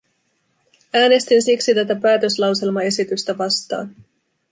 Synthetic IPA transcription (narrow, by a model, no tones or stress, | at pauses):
æːne̞st̪insiksit̪æt̪æpæːt̪ø̞slɑwse̞lmɑe̞sit̪yst̪æʋɑst̪ɑ̰ːn